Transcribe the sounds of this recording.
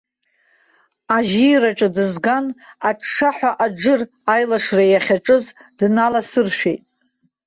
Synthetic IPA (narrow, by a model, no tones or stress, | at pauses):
aʒiraʈ͡ʂʼɨdɨzɡanaʂaħʷᶣaʔad͡ʒɨr | ajlaʂrajaχʲaʈ͡ʂʼɨzdnalasɨrʃᶣḛjtʼ